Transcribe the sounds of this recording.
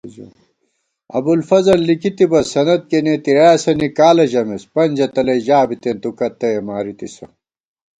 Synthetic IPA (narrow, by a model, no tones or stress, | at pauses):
ɐ̰bulfɐzɐlːikit̪ibɐsɐnɐd̪̚kenet̪iɾaːjɐsɐnikaːlɐʑɐmespɐnʲd͡ʑɐt̪ɐlɐjʑaːbit̪ent̪ukɐt̪ːɐjemaːɾit̪isɐ